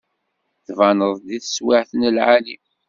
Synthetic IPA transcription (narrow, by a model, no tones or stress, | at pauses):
θvɑnəðˤd̪iθə̥swɪʕθənəlʕali